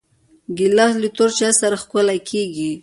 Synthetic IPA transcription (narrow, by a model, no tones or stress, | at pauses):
ɡilɑslit̪oɾt͡ʃasaɾaxkʊlakʰeɡi